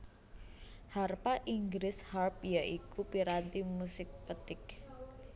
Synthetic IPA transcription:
harpaʔiŋɡɾɪsharpjaʔikupiɾat̪imusɪk̚pət̪ɪk

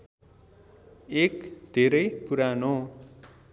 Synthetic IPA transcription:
ekd̪ʱeɾʌjpuɾano

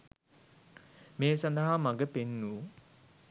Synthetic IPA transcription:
meːsand̪ɐɦamaɡəpenːuː

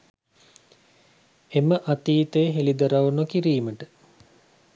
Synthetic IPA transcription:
eməʔat̪iːt̪eːɦelid̪ɐɾaʋunokiɾiːməʈə

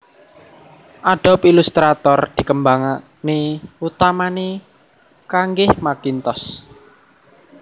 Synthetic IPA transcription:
ʔaɖ̥ɔ̤pilust̪ɾat̪ɔrd̪̥i̤kəmbaŋa | neut̪amane | kaŋɡɪhmakint̪ɔs

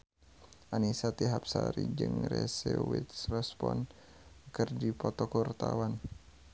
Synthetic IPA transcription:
ʔanisat̪iɦapsaɾid͡ʒɨŋrɛsɛwit̪srɛspɔn | kərdipɔt̪ɔkurt̪awan

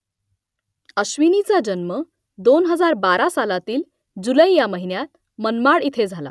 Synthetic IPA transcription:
əɕʋinit͡sad͡ʑənmə | d̪onɦəd͡zaɾbaɾasalat̪iːl | d͡zuləjjaməɦinjat̪̚ | mənmaɽit̪ʰed͡zʱala̰

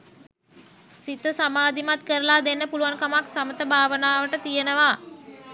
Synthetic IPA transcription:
sit̪əsamaːd̪ʱimat̪kəɾəlad̪enːəpuluʋaŋkamaksamət̪əbʱaːʋənaːʋəʈət̪ijənəʋa

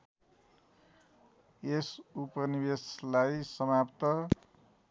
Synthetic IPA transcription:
esupʌnibeslajsʌmapt̪ʌ

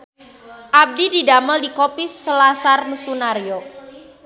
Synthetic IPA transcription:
ʔab̚dididaməldikopɪsːəlasarnusunaɾjo

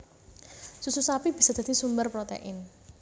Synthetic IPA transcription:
sususapib̥i̤sɔd̥̪a̤d̪̥i̤sumbərpɾɔt̪ḛʔɪn

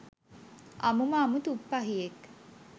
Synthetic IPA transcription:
a̰mumaːmut̪upːaɦijek

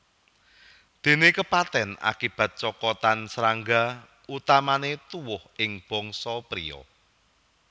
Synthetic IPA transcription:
d̪̥e̤nekəpat̪ɛna̰kib̥ä̤t̪̚t͡ʃɔkɔt̪ansəɾaŋɡa | ut̪amanet̪uwʊhɪŋb̥ɔŋsɔpɾḭɔ̰

